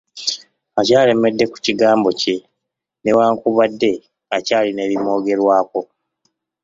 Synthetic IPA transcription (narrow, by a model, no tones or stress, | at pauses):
acaːle̞me̞dːe̞ku̥ciɡaːmbo̞ce̞ | newaːŋkuβadːe̞ | acaːline̞ːβimo̞ːɡe̞ɾwaːko̞